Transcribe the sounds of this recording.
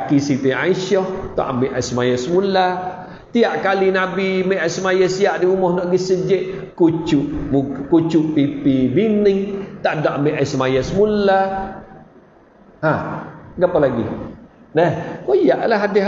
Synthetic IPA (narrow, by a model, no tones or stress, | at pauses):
kisit̪ea̰iʃɔht̪o̰ʔambiʔaisəmajasəmula | t̪iaʔkalinabimeʔasəmajəsiaʔdiumɔhnɔʔɡisəd͡ʒəʔkut͡ʃuʔmukut͡ʃuʔpipibinɪŋt̪aʔdɔʔambeʔasəmajasəmula | haɡapalaɡḭ | nəhkojaʔlaɦadeɦ